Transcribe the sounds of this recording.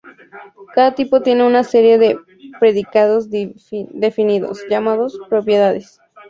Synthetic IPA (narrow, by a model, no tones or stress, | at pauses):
kaðat̪ipo̞t̪je̞ne̞unase̞ɾje̞ðe̞ | pɾe̞ðikaðo̞z | d̪e̞finiðo̞̰sʝamaðo̞spɾo̞pjeðaðes